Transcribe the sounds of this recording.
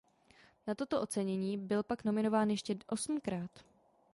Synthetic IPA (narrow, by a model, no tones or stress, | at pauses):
nat̪o̞t̪oʔo̞t͡sɛɲɛɲiːbɪlpakno̞mɪno̞vaːnjɛʃcɛʔo̞sm̩kɾaːt̪